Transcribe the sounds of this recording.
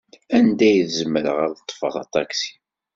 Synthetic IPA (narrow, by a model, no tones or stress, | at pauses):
ænd̪æjðzəməɾə̰ʁaɾt̪ˤːfə̰θˤɑ̰t̪ˤɑksi̥